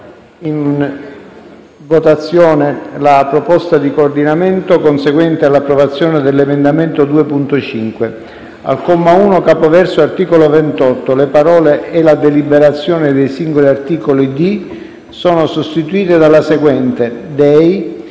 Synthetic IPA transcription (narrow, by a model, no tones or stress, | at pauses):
in | vot̪at̪sːjɔːnelapɾopɔst̪ad̪ikoːrd̪inament̪okonseɡwɛnt̪ealːapːɾovat̪sːjɔːned̪elːemend̪ament̪od̪uːepunt̪ot͡ʃiŋkwe | a̰lkomːauːnokaːpovɛrsoart̪iːkolovɛnt̪ɔt̪ːolepaɾɔːleːlad̪elibeɾat̪sːjɔːnɪd̪ejsiŋɡoliart̪iːkolid̪i | sɔːnosost̪it̪uiːt̪ed̪alːaseɡwɛnt̪ed̪ɛj